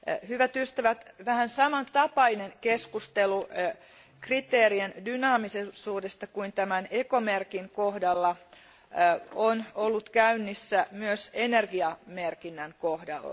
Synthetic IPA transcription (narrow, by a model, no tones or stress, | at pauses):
hyʋæt̪yst̪æʋæt̪ʋæhænsɑmɑnt̪ɑpɑineŋkeskust̪elu | krit̪eːriendynɑːmisesuːdest̪ɑkuint̪æmænekomerkiŋkohdɑlːɑ | onolːut̪kæynːisːæmyøsenerɡiɑmerkinːæŋkohdɑ̰lːɑ̰